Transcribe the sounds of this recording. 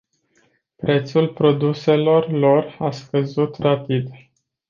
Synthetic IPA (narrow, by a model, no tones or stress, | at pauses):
pɾe̞t̪sulpɾo̞d̪use̞lo̞rlo̞raskəzut̪rapid̪